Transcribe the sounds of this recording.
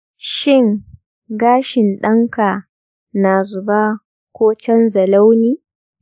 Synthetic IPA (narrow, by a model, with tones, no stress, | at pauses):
ʃɪ˦˨ŋ | ɡaː˦ʃɪ˨nɗɐ˦ŋka˨ | na˨zʊ˨baː˦ | kʷoː˦t͡ʃɐ˦nzɐ˨la˦wniː˦